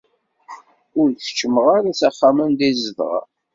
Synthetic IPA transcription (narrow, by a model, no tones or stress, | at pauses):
ʊɾθə̥t͡ʃːəməʁaɾat͡sæχːamənd̪izəðʁɑ̰